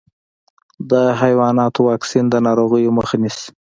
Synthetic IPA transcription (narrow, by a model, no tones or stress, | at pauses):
d̪əɦajwɑnɑt̪owɑksind̪ənɑɾoɣəjoməxanis